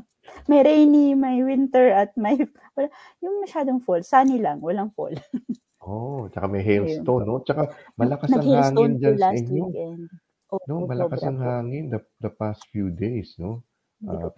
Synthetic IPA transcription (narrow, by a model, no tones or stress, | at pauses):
mɐjɾejnimɐjwɪnt̪ɛɹɐt̪̚mɐj | wɐla | jʊŋmɐʃaːd̪oŋfolsaːnilɐŋwɐlaŋfo̰l | ʔot͡ʃɐkamɐjɦɛlsonːot͡ʃɐkamɐlɐkanɐɐŋhihaːŋɪnd͡ʒanlasɛnwikɛnd̪̚ | ʔoʔnomɐlɐkasɐŋhaːŋɪnd̪ɐ | d̪ɐpast̪fjud̪ejsno̞ | ʔa